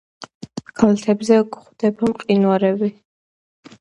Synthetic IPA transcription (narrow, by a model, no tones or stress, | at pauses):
kʰalat̪ʰɛbzɛkχd̪ɛbamqʼinwaɾɛvi